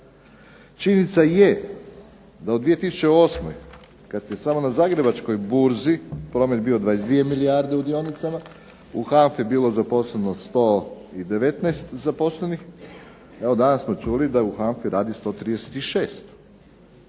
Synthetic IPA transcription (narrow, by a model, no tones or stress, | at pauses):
t͡ʃinit̪saje | d̪aod̪ʋije̞t̪isu̥t͡ʃeo̞ːsmo̞j | kat̪je̞samo̞nazaːɡɾe̞bat͡ʃko̞jbuɾzipɾo̞ːme̞t̪̚bio̞d̪ʋaːjesd̪ʋie̞miliaɾd̪e̞ud̪io̞nit̪sama | uxanfebiːlo̞zapo̞sleno̞st̪o̞ːid̪e̞ʋet̪najst̪zapo̞sle̞nix | eo̞d̪anassmo̞t͡ʃulid̪auxaɱfiɾaːd̪ist̪o̞ːt̪ɾid̪ese̥t̪iʃeːst̪